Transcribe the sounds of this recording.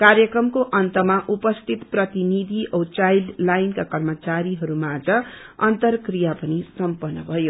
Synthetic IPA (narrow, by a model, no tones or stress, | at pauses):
kaɾjʌkrʌmkoʔʌnt̪ʌmaʔupʌst̪ʰit̪prʌt̪inid̪ʱiʔʌwt͡sajlɖlajnkakʌrmʌt͡saɾiɦʌɾumad͡zʌ | ʌnt̪ʌrkrijapʌnisʌmpʌnːʌbʱʌjo